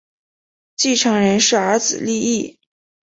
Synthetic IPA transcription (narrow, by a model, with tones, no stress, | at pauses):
t͡ɕi˥˩ʈ͡ʂʰɑ˧˥ŋɻə˧˥nʂɻ̩˥˩ə˞˧˥d͡zɹ̩˨˩li˥˧i˥˩